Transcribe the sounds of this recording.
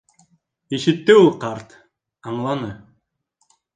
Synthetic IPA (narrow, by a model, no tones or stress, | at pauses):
iʃit̪ːiuqɑɾt̪ | ɑɴlˠɑnɯ